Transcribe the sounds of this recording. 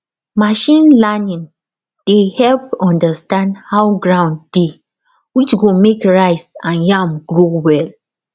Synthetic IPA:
maʃĩnlanĩn | d̥ehɛlpɔ̃ndəstãndhaʊɡɹãʊ̃ndde | wit͡ʃɡomekɹaɪsãnjãmɡɹowɛl

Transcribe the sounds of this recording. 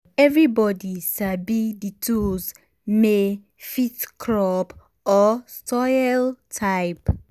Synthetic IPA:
ɛvɹibɔdiʃabiditʰus | me | fitkʰɹɔp | ɔstʰɔɪltʰaɪp

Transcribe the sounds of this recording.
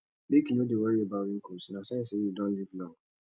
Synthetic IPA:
mekinodewɛiebaɾĩŋ̩kosnasɛ̃sejedɔ̃nlivna

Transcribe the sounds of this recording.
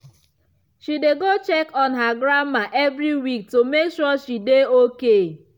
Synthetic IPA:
ʃideɡot͡ʃɛkɔnɦaɡɾamaʔevɾiwik̚tomekʃɔʃideoke

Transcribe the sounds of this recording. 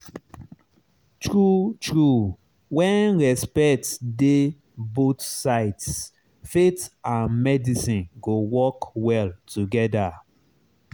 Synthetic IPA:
tɹutɹu | wɛ̃nɹɛspɛktde | botsaɪts | fetãnmɛdisĩnɡowɔkwɛltʰuɡɛda

